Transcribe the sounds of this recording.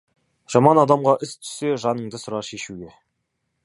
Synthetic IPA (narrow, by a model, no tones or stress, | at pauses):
ʒ̥ɑmɑnɑd̪ɑmʁɑʔʏst̪ʰʏ̥se̞ʒɑnəɴd̪əsʊɾɑʃe̞ʃuɡʲe̞